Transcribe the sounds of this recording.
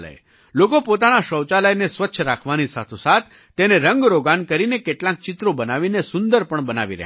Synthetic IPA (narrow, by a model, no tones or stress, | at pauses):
lə̰j | lokopot̪anaʃəwt͡ʃaləjnesʋətːʃʰəɾakʰʋanisa̰t̪ʰosat̪̚ʰːeneɾəŋɡɾoɡankəɾinekeʈlãk̚t͡ʃɪt̪ɾobənaʋinesʊnd̪əɾpəɳbəna̰ʋiɾə̰ɦ